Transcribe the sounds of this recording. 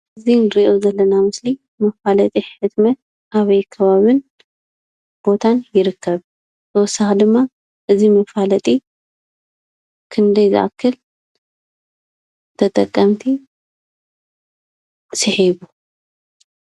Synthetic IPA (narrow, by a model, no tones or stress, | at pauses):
ʔɨzinɾiʔo̞zɐlːɐnamɨsli | mɐfalɐt̪ʼiħɨt̪mɐt̪̚ | ʔaβɐjkʰɐβaβɨn | b̥o̞t̪ʰanjɪɾɨkʰːɐβ | t̪ʰɐwɔsaxd̪ɨmːa | ʔɨzimɐfalɐt̪ʼi | kʰɨnd̪ɐjzɨ̰ʔa̰kʰːɨl | t̪ʰɐt̪ʼɐ̰kʼːɐmt̪ʰi | sɨħiβu